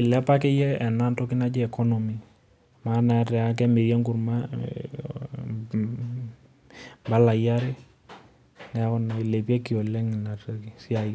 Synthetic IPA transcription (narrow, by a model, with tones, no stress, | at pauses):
ɪ˨lɛ˦pa˦kɪ˦jɛ˦ɛ˨na˦ntɔ˦kɪ˦na˦d͡ʒɛ˦ɛ˨kɔ˦nɔ˨mi˨ | ma˦na˨tɛ˨a˦k̬ɛ˦mɪ˨ɾjɛ˦ŋɡʊ˨ɾma˦ | mba˦la˨ja˦ɾɪ˦ | nɛ˨˦kɔ˦nɔ˨ɪ˨le˨pi˦ɛ˦ki˨ɔ˨lɛ˦ŋɪ˨na˨tə˦ki˨sɪ˦a˨j